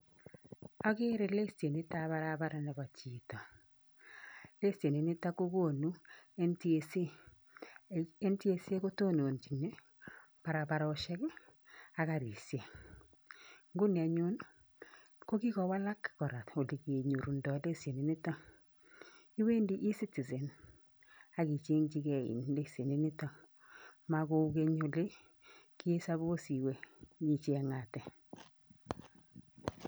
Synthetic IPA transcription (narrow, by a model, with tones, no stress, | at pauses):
ɔ˦kɪ˦ɾe˨le˦se˨ni˦ta˦βa˦ɾa˦ba˦ɾa˨nɛ˨βa˨t͡ʃi˨tɔ˨ | le˦se˨ni˨nɪ˦ta˦ko˦ko˦˨nu˦e˦nti˦e˨se˦ | e˦nti˦e˦se˦ko˦to˦no˨nt͡ʃi˨ne˦ | pa˨ɾa˨pa˨ɾɔ˦ʃɛ˦k | a˨ka˨ɾi˨sje˨ | ŋɡʊ˦ni˨a˨ɲʊ˦n | ko˦ki˦kɔ˨wa˦la˦kkɔ˨ɾa˨to˨li˨ki˨e˨ɲu˨ɾu˨ndɔ˨le˦sje˨ni˨ni˦ta˦ŋ | i˦we˦ndi˦ʔi˦si˦ti˨zɛ˨n | a˦ki˨t͡ʃe˦ŋt͡ʃi˦ɡe˨ḭ˨nle˦sje˨ni˦ni˦ta˦m | ma˦ko˦u˦ke˦ɲo˨le˦ | ki˦e˦sa˦βo˦si˨we˦ji˦t͡ʃe˨˦ŋa˨tɛ˨